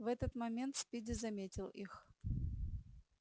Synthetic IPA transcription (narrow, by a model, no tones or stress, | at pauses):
vɛt̪ət̪mɐmʲe̞nt̪spʲidʲɪzɐmʲetʲɪlˠix